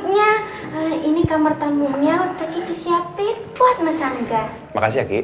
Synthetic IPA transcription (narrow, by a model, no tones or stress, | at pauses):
ɲa | əinikamərt̪amuɲaud̥akit̪isiapeb̥uat̪̚masaŋɡa | ma̰kas̬iaki